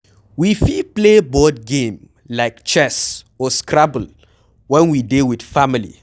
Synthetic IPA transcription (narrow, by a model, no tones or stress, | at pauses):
wifiplebɔd̚ɡẽm | laɪkt͡ʃɛs | ɔskʰɹabl̩ | wɛ̃nwidewid̥familḭ